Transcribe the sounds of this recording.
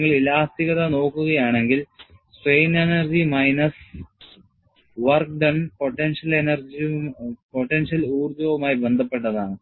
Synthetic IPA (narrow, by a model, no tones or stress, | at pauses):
ŋːɐɭilaːst̪iɣɐðɐno̞ːkːuɣɐjaːɳe̞ŋɡil | sʋejnenɐrd͡ʑimɐjnɐs | ʋɐrkɖɐnpo̞ʈːenʂɐlenɐrd͡ʑipoʈːenʂɐluːrd̪joːʋumaːjibe̞nd̪ʱɐpːe̞ʈ̬ːɐðaːɳɨ